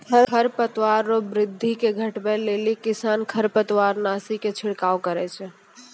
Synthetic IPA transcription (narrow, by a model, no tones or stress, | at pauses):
kʰəkʰəɾpət̪waɾːobɾɪd̪ʱːikeɡʱəʈbɛlelikisankʰəɾpət̪waɾnasiket͡ʃʰiɽkawkəɾɛt͡ʃʰɛ